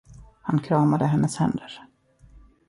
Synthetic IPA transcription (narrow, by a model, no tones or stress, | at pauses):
hankʰɾɑːmad̪əɦɛnːəshɛ̰nd̪əɾ